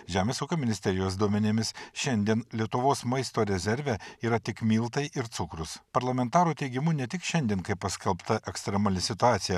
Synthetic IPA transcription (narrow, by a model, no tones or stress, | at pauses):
ʒʲæːmʲeːsuːkɐmʲɪnʲɪsʲt̪ʲɛɾʲɪjoːs̬d̪uɔmʲɛnʲɪmʲɪsʃʲɛnʲd̪ʲiɛnlʲiɛt̪ʊʋoːsmɐɪst̪oːɾʲɛzʲɛɾʲʋʲɛiːɾɐt̪ʲɪkmʲiːlˠt̪ɐɪʔɪɾt̪sʊkɾʊspɐɾlˠɐmʲɛnt̪ɑːɾuːt̪ʲɛɪɡʲɪmʊnʲɛt̪ʲɪkʃʲɛnʲd̪ʲiɛnkɐɪppːɐsʲkʲɛlˠpt̪ɐʔɛkst̪ʲɾʲɛmaːlʲɪsʲɪt̪ʊɑːt̪sʲɪjɛ